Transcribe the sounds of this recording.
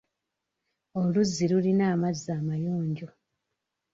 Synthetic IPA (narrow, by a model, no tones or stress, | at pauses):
oluzːilulinaːmazːaːmajuːɲɟo